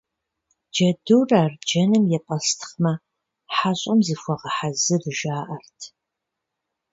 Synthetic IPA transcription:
d͡ʒɐduwraːrd͡ʒɐnɨmjɛpʼɐstʰɨ̥χmɐ | ħaɕʼɐmzɨxʷɔʁɐħazɨrɨʒaːʔɐrtʰ

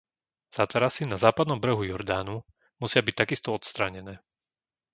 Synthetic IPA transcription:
z̥at̪ɛɾasinazaːpad̪nɔmbr̩ɦujɔɾd̪aːnu | musɪabic̚t̪aɡist̪ɔɔt̪st̪ɾaːɲɛnɛː

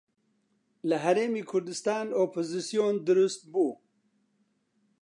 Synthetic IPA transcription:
ləɦaɾeːmiːkʰʊɾd̪ɨst̪ɑːnoːpʰozisijoːnd̪ɨɾust̪̚buː

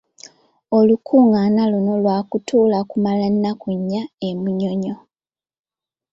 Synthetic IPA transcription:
olukʰuːŋɡanaluno̞lwaːkutuːlakumalanːakuɲːaemuɲoɲo

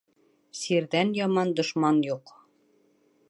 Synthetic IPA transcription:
siɾðænjɒmɑnd̪ŏʃmɑnjuq

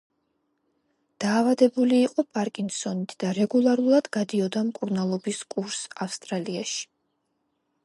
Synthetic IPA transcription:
d̪̥aːvad̪ɛbuliːqʼɔpʼaɾkʼinsɔnit̪ʰd̪̥aɾɛɡulˠaɾulˠad̪ɡad̪iɔd̪amkʼuɾnalˠɔbiskʼuɾsafst̪ʼɾaliaʃi̥

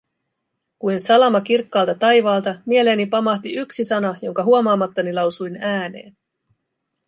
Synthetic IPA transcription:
kujnsɑlɑmɑkirkːɑːlt̪ɑt̪ɑjʋɑːlt̪ɑmie̞le̞ːnipɑmɑht̪iyksisɑnɑjo̞ŋkɑɦuomɑːmɑt̪ːɑnilɑwsujnæːne̞̰ːn

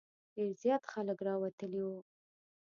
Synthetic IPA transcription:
deɾzjɑt̪xaləkɾɑwat̪əliwu

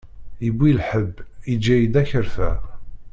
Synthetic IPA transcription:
ibʷːilħəbːid͡ʒːæjid̪æçəɾθæ

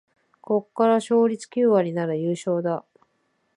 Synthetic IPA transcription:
ko̞kːaɾaɕo̞ːɾʲit͡sɨ̥kʲɨːβaɲ̟ʲinaɾɯjɯːɕo̞ːd̪a

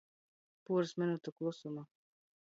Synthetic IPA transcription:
puːɾɨsmʲɪnut̪uklˠusuma

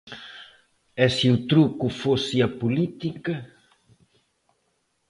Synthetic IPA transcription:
ɛsiut̪ɾukufosɪɐpulit̪ikɐ

